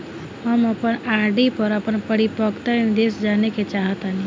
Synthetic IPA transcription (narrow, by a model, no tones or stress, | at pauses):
ɦəməpənaɾɖipəɾəpənpəɾipəkt̪ənid̪esd͡ʒaneket͡ʃaɦət̪ani